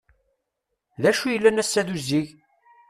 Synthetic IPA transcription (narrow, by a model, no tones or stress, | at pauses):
læʃujəlːænæsːæðuziʝ